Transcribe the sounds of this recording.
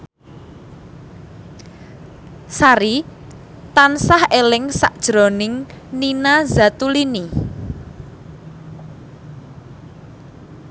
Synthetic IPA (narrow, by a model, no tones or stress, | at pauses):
saɾi | t̪ansahelɪŋsaʔd̥ʒ̥ɾo̤nɪŋ | ninazat̪ulini